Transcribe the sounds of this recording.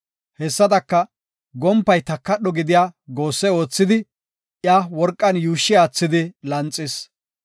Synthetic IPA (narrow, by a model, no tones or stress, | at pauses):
hɛsːɐd̪ɐkːɐ | ɡɔmpːɐjt̪ɐkːɐɗɔɡɪd̪ɪjaːɡoːsːɛo̞ːt͡sːɪd̪ɪ | jaːwɔɾkʼːɐnjuːʃːɪjaːt͡sːɪd̪ɪlɐnt͡sʼːɪs